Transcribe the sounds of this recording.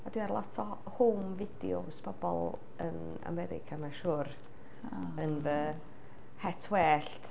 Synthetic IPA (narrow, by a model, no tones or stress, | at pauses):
adwiarlˠɔtʰɔ | humvɪdɪ̰o̰sb̥ɔbɔ̰lˠ | ən | a̰mɛɾɪ̰kʰamaʃuːɾ | ənvə | hɛtʰwɛːɬt